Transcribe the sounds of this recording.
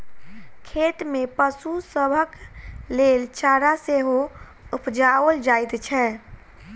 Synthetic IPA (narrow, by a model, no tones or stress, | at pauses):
kʰeʈmepəsusəbʱəklelt͡ʃaɾaseɦo | upd͡ʒaəld͡ʒajt̪t͡ʃʰɛ